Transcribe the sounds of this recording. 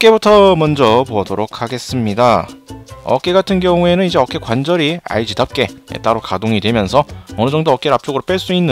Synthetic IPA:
ʌk͈e̞butʰʌmʌnd͡ʑʌpoʌdoɾokʰaɡe̞s͈ɯmɲida | ʌ̰k͈e̞ɡatʰɯnɡjʌŋue̞nɯnid͡ʑe̞ʌk͈e̞kwand͡ʑʌɾia̰ɭd͡ʑidap̚k͈e̞ḛt͈aɾokadoŋidwe̞mjʌnsʰʌʌnɯd͡ʑʌŋdoʌk͈e̞ɾap̚t͡ɕ͈oɡɯɾop͈eɭs͈uinːɯ

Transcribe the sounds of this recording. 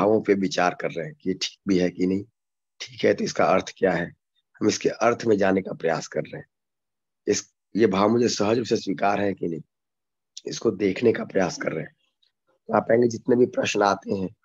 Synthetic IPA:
aːʋõpeʋɪt͡ʃaːɾkɐɾːəɦɛ̃kijeʈʰi̥ːk̚bʱiɦɛkinɐɦĩ | ʈʰi̥ːkɦɛt̪oɪskaɐɾt̪ʰkjaːɦɛ | hɐmɪskeʔɐɾt̪ʰmẽd͡ʒaːnekapɾɐjaːskɐɾːeɦɛ̃ | ɪs | jebʱaːʋʊ̃d͡ʒʱesəɦəd͡ʒseswiːkaːɾɦɛkinɐɦĩ | ɪ̰skod̪eːkʰnekapɾɐjaːskɐ̰ɾːeɦeɛ̃ | t̪oaːpẽẽŋɡed͡ʒɪt̪nebʱipɾɐʃnaːt̪eɦɛ̃ː

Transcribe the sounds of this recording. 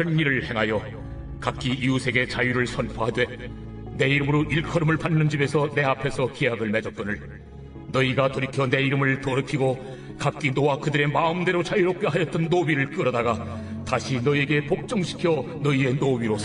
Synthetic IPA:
ɯniɾɯɭhe̞ŋɦajʌ | kak͈iʔiusʰe̞ɡe̞t͡ɕajuɾɯɭsʰʌnpʰoɦadwe̞ | ne̞iɾɯmɯɾoʔiɭkʰʌɾɯmɯɭpanːɯnd͡ʑibe̞sʰʌne̞apʰe̞sʰʌkijaɡɯɭme̞d͡ʑʌt̚k͈ʌnɯɭ | nʌiɡatoɾikʰjʌne̞iɾɯmɯɭtoɾʌkʰiɡo | kak͈inowakɯdɯɾe̞maɯmde̞ɾot͡ɕajuɾok̚k͈ʌɦajʌt͈ʌnːobiɾɯɭk͈ɯɾʌdaɡa | taɕʰinʌie̞ɡe̞pok̚t͡ɕ͈ʌŋɕʰi̥kʰjʌ | nʌie̞nobiɾos

